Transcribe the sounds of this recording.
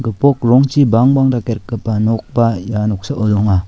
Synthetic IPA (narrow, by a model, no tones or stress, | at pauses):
ɡɯpɔk̚ɾɔŋt͡ʃibaŋbaŋdakeɾkɯpːanɔk̚bajanɔk̚saʔɔluŋa